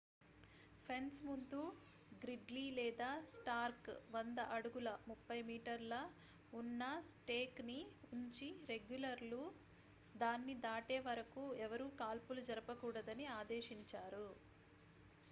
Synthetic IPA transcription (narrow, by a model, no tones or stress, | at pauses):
pʰensmund̪u | ɡɾiɖliːlɛːd̪aːsʈaːɾkʋɐnd̪ɐʔɐɽuɡulɐmupːɐjmiːʈɐɾlɐ | unːɐsʈeːkniuɲt͡ʃiɾe̞ɡjulɐɾlu | d̪aːnːid̪aːʈeːʋɐɾɐkuɛʋɐɾuːkaːlpulud͡ʒɐɾɐpɐkuːɽɐd̪ɐniaːd̪eːʃiɲt͡ʃaːɾu